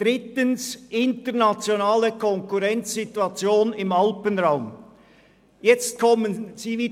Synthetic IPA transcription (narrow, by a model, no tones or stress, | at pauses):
d̥ʁɪtənsʔɪntənat͡sjonaːləkʰɔŋkuʁɛnt͡ssituɑt͡sjoːnɪmɑlpənʁaʊm | jɛt͡st̚kʰɔmənz̥iːviː